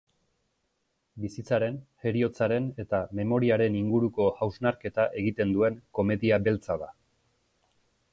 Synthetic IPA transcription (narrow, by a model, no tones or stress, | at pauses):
bisit͡saɾe̞nhe̞ɾio̞t͡saɾe̞ne̞t̪ame̞mo̞ɾiaɾe̞niŋɡuɾuko̞awznaɾke̞t̪aʔe̞ɣit̪e̞nd̪ue̞ŋko̞me̞ðiabe̞lt͡saða